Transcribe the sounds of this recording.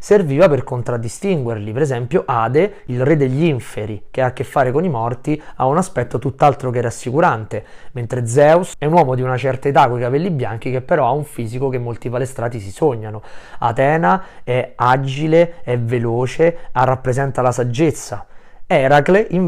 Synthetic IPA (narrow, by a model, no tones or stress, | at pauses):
serviːvaperkont̪ɾad̪ːist̪iŋɡwerlipeɾezɛmpjoʔaːd̪eilred̪eʎːiɱfeɾik̟eakːefːaːɾekonimɔrt̪ia̰unaspɛt̪ːot̪ut̪ːalt̪ɾokeɛɾasːikuɾant̪ement̪ɾed̪zɛusɛunwɔːmod̪iunat͡ʃɛrt̪aet̪akwekapelːibːjaŋk̟ik̟epːeɾɔauɱfiːzikokemːolt̪ipalest̪ɾaːt̪isisoɲːanoa̰t̪ɛːnaɛad͡ʒileɛvːeloːt͡ʃearːapːɾezɛnt̪alasad͡ʒːet̪sːa | ɛɾakleʔi